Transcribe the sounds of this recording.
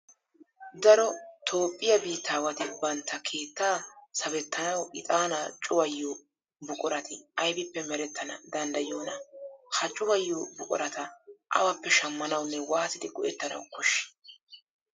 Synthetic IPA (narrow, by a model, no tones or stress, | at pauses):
d̪ɐɾɔt̪ʰo̞ːpʼːɪjɐbiːt̪ːaːwɐt̪ɪbɐnt̪ːɐkʰe̞ːt̪ːaːsɐbɛt̪ːɐnɐwɪt̪ʼaːnat͡ʃʼʊwɐjːoː | bʊkʼʊɾɐt̪ɪɐjbɪpːɛmɛɾɛt̪ːɐnɐ̰d̪ɐnd̪ɐjoːnɐhɐt͡ʃʼːʊwɐjːoːbʊkʼʊ̰ɾɐt̪ɐʔɐ̰wɐpːɛʃɐmːɐnɐwnːɛwaːsɪd̪ɪɡɔʔɛt̪ːɐnɐ̰wkɔʃːɪ̥